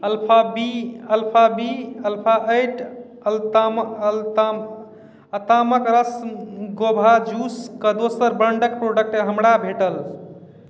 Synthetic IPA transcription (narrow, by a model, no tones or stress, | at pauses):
əlpʰabiəlpʰabiəlpʰaʔəjʈ | lmlt̪am | ət̪aməkɾəsmɡobʱad͡ʒuskəd̪osəɾbəɳɖək̚pɾoɖək̚ʈeɦəmɽabʱeʈəl